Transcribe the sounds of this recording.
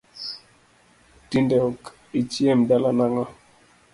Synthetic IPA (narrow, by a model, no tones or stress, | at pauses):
tindɛk | it͡ʃiɛmdalanaŋa